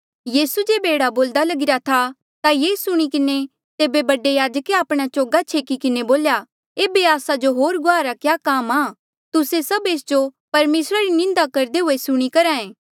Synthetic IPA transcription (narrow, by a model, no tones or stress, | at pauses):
jiːsud͡ʒeːbeːɽaboːld̪alɐɡɪɾat̪ʰa | t̪ajeːsʊɽ̃ikɪne | t̪eːbebɐɖejaːd͡ʒəkeaːpɽ̃at͡ʃoːɡat͡ʃʰeːkikɪneboːlja | eːbeaːsad͡ʒoɦoːɾɡʊaːɾakjaːkaːmaː | t̪ʊsesɐbeːsd͡ʒopɐɾmeːsɾaɾinɪ̃nd̪akɐɾd̪eɦʊesʊɽ̃ikɐɾaːẽː